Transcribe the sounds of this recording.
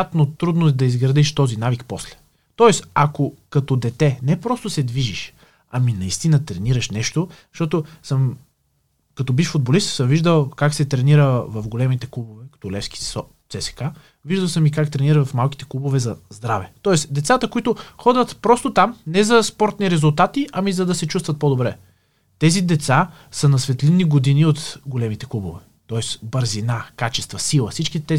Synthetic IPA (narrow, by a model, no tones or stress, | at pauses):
t̪not̪ɾud̪noɛd̪ɐizɡɾɐd̪iʃt̪ɔzinavikpɔslɛ̥ | t̪ɔɛsɐkokɐt̪od̪ɛt̪ɛnɛpɾɔst̪osɛd̪viʒiʃ | ɐminɐist̪inət̪ɾɛniɾɐʃnɛʃt̪o | ʃt̪ɔt̪osəm | kɐt̪ɔbiʃfod̪̚bolist̪səmviʒd̪əlˠkaksɛt̪ɾɛniɾəvɐfɡolɛmit̪ɛklˠubovɛkɐ̥t̪ɔlɛfski̥sɔsɛsɛ̥ka | viʒd̪əlˠsəmikakt̪ɾɛniɾəvɐfmalˠki̥t̪ɛ̥klˠubovɛzɐzd̪ɾavɛt̪ɔɛsd̪ɛt̪sat̪əkoit̪ʊxɔd̪vɐt̪pɾɔst̪ot̪amnɛzɐspɔɾt̪niɾɛzulˠt̪at̪iʔɐmizɐd̪ɐsɛt͡ʃust̪vɐt̪̚pod̪obɾɛ | t̪ɛzid̪ɛt̪sa | sɐnɐsvɛt̪linːiɡod̪iniot̪ɡolɛmit̪ɛklˠubo̰vɛ | t̪ɔɛsbəɾzinakat͡ʃɛst̪vɐsilˠəsit͡ʃkit̪ɛ